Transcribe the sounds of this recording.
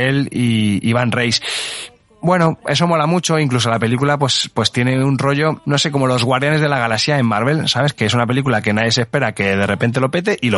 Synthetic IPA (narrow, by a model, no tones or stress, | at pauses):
eliiβanrejs | bwe̞no̞e̞s̬o̞mo̞lamut͡ʃo̞iŋklus̬olape̞likulap̬we̞spwe̞st̪je̞ne̞unro̞ʝo̞no̞se̞k̬o̞mo̞lo̞zɣwaɾðjane̞zð̞e̞laɣ̞alaksjaemːaɾβe̞lsaβe̞ske̞esunape̞lik̬ulake̞naðjes̬espe̞ɾake̞ð̞e̞re̞pe̞nt̪̬e̞lo̞pe̞t̪̬e̞ʔilo